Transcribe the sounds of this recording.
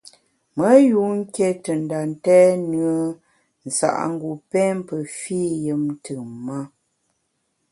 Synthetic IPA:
mə˨˦ju˨˦ŋ̩˦ke˦tə˨n̩˨da˨n˦tɛ˦nɰə˨˦ | n̩˨sa̰˨ʔŋ̩˦ɡu˨pɛ˦m˦pə˨fi˦˨jə˨mn˦tʰɨ˨ma˦

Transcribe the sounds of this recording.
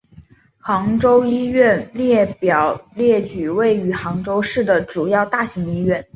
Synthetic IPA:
xɑ˧˥ŋʈ͡ʂo˥ʊi˥ɥɛ˥˧nljɛ˥˩pjɑ˨˩ʊljɛ˥˩t͡ɕy˨˩we˥˩ɪy˧˥xɑ˧˥ŋʈ͡ʂo˥ʊʂɻ̩˥˩d̪ə˩ʈ͡ʂu˨˩jɑ˥˧ʊt̪a˥˩ɕi˧˥ŋi˥ɥɛ˥˩n

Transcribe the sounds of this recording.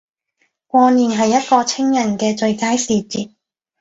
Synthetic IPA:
kʷɔː˧niː˨nɦɐ˨jːɐ˥t̚kɔː˧t͡sʰɪ˥ŋjɐ˨˩nkɛː˧t͡ʃɵ˧ɥkaː˥jsiː˨˧t͡siː˨t̚

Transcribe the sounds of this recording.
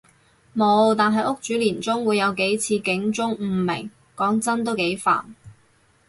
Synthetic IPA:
mo˨˧wt̪aː˨nɦɐ˨jʊ˥k̚t͡ʃyː˨˥liː˨˩nt͡sʊ˥ŋwuː˨˧jːɐ˨˧wke˨˥jt͡sʰiː˧kɪ˨˥ŋt͡sʊ˥ŋm̩ː˧˩mɪ̰˨˩ŋ | kɔː˨˥ŋt͡sɐ˥nt̪̬o˥wke˨˥jfa̰ː˨˩n

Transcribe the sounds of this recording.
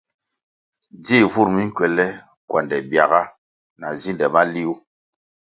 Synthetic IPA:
d͡zi˦˨vu˦˨ɾmi˦ŋ˦kɥɛ˨lɛ˦ | kwa˨ndɛ˨bja˨ɣa˦ | na˨zi˦ndɛ˨ma˦li˦u˦

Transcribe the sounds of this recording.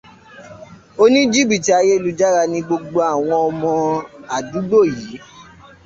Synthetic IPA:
o˦nĩ˦d͡ʒi˦˨bi˦˨ti˨˦a˧je˦i˦˨lu˧d͡ʒa˦ɾa˧nĩ˧ɡ͡bo˧ɡ͡bo˧a˨w̃ɔ̃˧ɔ˧mɔ̃˧a˨du˨˦bo˦˨ji˨˦

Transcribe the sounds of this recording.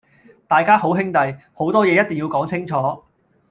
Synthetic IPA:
t̪aː˨jkaː˥ho˨˥wɦɪ˥ŋt̪ɐ˨jho˨˥wt̪ɔː˥jɛː˨˧jɐ˥t̪ɪ˨ŋjiː˧wkɔː˨˥ŋt͡sʰɪ˥ŋt͡ʃʰɔː˨˥

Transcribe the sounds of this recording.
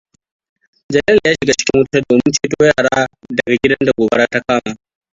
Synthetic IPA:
d͡ʒɐ˨lɐ˦ljaː˦ʃɪ˨ɡa˦t͡ʃɪ̥˦kʲɪ˦wʊ˦ta˦doː˨mɪ˦nt͡ʃeː˦toː˦jaː˦˨ɽaː˦dɐ˨ɡa˨ɡʲɪ˦dɐ˦nda˨ɡʷoː˨bɐ˦ɽaː˦ta˦kaː˦maː˨

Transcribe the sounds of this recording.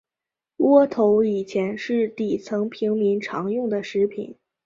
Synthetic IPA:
wɔ˥t̪ʰo˧˥ʊi˨˩t͡ɕʰjɛ˧˥nʂɻ̩˥˩t̪i˨˩t͡sʰɤ˧˥ŋpʰi˧˥ŋmi˧˥nʈ͡ʂʰɑ̰˧˥ŋjʊ˥˩ŋd̪ə˩ʂɻ̩˧˥pʰḭ˨˩˦n

